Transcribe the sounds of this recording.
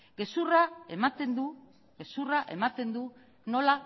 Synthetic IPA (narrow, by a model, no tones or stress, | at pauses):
ɡe̞suraemat̪end̪u | ɡesuraʔe̞mat̪e̞nd̪u | no̞la